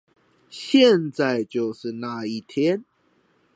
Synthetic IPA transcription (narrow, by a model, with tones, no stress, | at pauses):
ɕjɛ˥˨nt͡sa˥˨ɪt͡ɕjo˥˨ʊʂɻ̩˥˨na˥˧˨i˥˩t̪ʰjɛ˦n